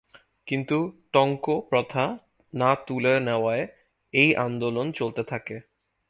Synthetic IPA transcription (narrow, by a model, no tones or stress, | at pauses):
kint̪uʈɔŋkopɾɔt̪ʰa | nat̪ulenɛoae | ejʔand̪olont͡ɕolt̪et̪ʰake